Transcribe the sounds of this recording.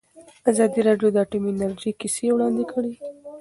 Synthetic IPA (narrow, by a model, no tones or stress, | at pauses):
azɑd̪iɾɑɖjod̪ɑːʈominaɾd͡ʒikisewɽɑnd̪ikʰəɽi